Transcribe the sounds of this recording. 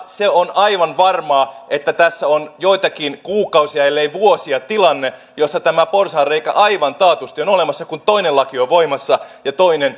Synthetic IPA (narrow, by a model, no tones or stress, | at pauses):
seonɑiʋɑnʋɑrmɑːʔet̪ːæt̪æsːæonjoit̪ɑkinkuːkɑusiɑelːeiʋuosiɑt̪ilɑnːe | josːɑt̪æmæporsɑːrreikæ̰ʔɑiʋɑnt̪ɑːt̪ust̪ionolemɑsːɑkunt̪oinelɑkioʋoimɑsːɑjɑt̪oinen